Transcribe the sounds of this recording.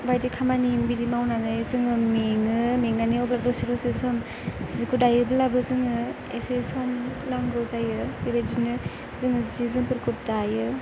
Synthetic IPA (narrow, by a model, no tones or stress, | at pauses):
bajdikʰamanimbiɾimawnanɯjzɯŋɯmiŋɯmiŋnaniɔblabɯsiɾɔsesɔm | zikudajɯbɯlabɯzɯŋɯ | esesɔnlaŋɡɯwzajɯebed͡ʒinɯ | zɯŋɯzizɯŋpɯɾkʰutdajɯ